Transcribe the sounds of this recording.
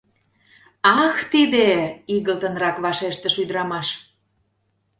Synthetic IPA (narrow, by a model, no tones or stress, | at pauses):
ɑxt̪id̪eiɣəlt̪ənrɑkβɑʃeʃt̪əʃud̪əɾɑmɑʃ